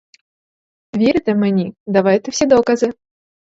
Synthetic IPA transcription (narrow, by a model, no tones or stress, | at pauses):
vʲiɾɨt̪ɛmɨnʲid̪avajt̪ɨwsʲɛd̪ɔkɐzɨ